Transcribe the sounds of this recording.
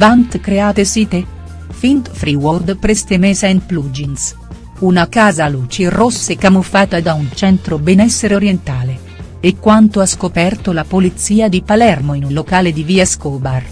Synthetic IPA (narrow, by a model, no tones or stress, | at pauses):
vant̪kɾeaːt̪esiːt̪e | fint̪fɾiword̪pɾest̪emɛːsainpluːd͡ʒins | unakaːzaluːt͡ʃerosːekamufːaːt̪ad̪aunt͡ʃɛnt̪ɾobɛnɛsːeɾeoɾjent̪aːle | ekːwant̪oaskopɛrt̪olapolit̪siːad̪ipalɛrmoinunlokaːled̪iviːaskɔːbar